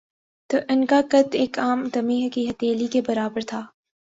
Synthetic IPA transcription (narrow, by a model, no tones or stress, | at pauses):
t̪əʔɪnkakɐt̪eːkaːmd̪ɐmeːɦkiɦɐt̪eːlikebɐɾaːbəɾt̪ʰaː